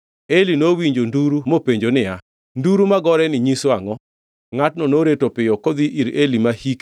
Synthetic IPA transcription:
elinowiɲd͡ʒonduɾumopeɲd͡ʒonɪa | nduɾumaɡɔɾɛnɪɲisoaŋɔ | ŋatnɔnoɾetopɪjɔkod̪iʔiɾelimahik

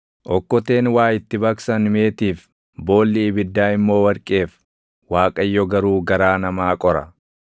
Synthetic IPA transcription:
ʔɔkːɔt̪e̞ːnwaːjɪt̪ːɪbɐksɐnme̞ːt̪iːf | bo̞ːlːɪːbɪd̪ːaːɪmːo̞ːwɐɾkʼeːf | waːkʼɐjːɔɡɐɾuːɡɐɾaːnɐmaːkʼɔɾɐ̰

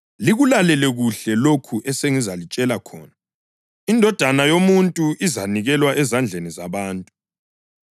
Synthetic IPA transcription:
liɣulalɛlɛɣuɬɛlokʰuʔɛseŋizalit͡ʃʼɛlakʰɔːna | indʱɔd̥ʱanajomuntʼuʔizaniɣɛlwaʔɛzand͡ɮʱenizaβaːntʼu

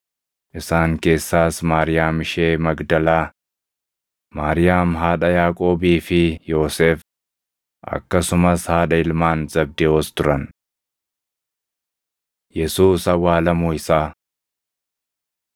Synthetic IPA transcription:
ʔɪsaːŋke̞ːsːaːsmaːɾɪjaːmɪʃeːmɐɡd̪ɐlaː | maːɾɪjaːmɦaːᶑɐjaːkʼo̞ːbiːfɪjo̞ːseːf | ʔɐ̰kːɐsʊmɐshaːᶑɐɪlmaːnzɐb̚d̪eɔst̪ʊɾɐn | jɛsuːsɐwaːlɐmuːɪsaː

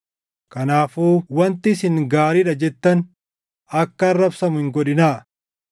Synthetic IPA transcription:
kɐnaːfuːwɐnt̪ɪsɪŋɡaːɾiᶑɐd͡ʒɛt̪ːɐn | ɐkːɐːrːɐbsɐmʊhɪŋɡɔᶑɪnaː

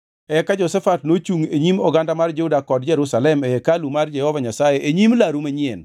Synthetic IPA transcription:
ɛkad͡ʒɔsɛfatnot͡ʃuŋeɲimɔɡandamard͡ʒehudakɔdd͡ʒɛɾusalɛmɛkalumard͡ʒɛhɔvaɲasajeʔeɲimlaɾumeɲɪɛn

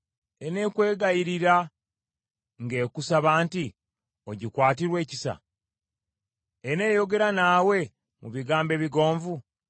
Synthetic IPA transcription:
e̞ne̞ːkwe̞ːɡajiɾiɾa | ŋɡe̞ːkusaβaːnti | o̞ɟikwaːtiɾwe̞ːci̥sa̰ | ene̞ːjo̞ɡe̞ɾanaːwe̞ | mṵβiɡaːmbe̞ːβiɡo̞ːɱvu

